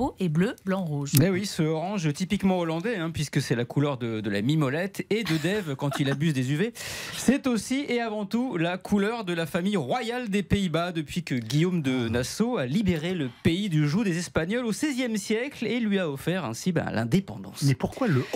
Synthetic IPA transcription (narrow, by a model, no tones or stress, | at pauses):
oebløblɑ̃ʁuʒewisəɔʁɑ̃ʒt̪ipikmɑ̃ɔlɑ̃d̪ɛɛ̃pɥiskəsɛlakʰulœʁd̪əd̪əla̰mimɔlɛt̪ʰed̪əd̪ɛvkɑ̃t̪ilabyzd̪ezyvesɛt̪osiʔeavɑ̃t̪ulakʰulœʁd̪əlafamijʁwajald̪epeibad̪əpɥikəɡʲijomd̪ənasoalibeʁeləpeid̪yʒud̪ezɛspaɲɔlosɛzjɛmsjɛklelɥiaɔfɛʁɛ̰̃sibɛ̰̃lɛ̰̃d̪epɑ̃d̪ɑ̰̃smɛpuʁkwalə